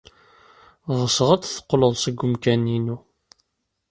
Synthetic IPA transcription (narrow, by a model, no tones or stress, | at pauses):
ʁəsəʁæt͡sθə̥qːləðˤsəɡːʊmkæninu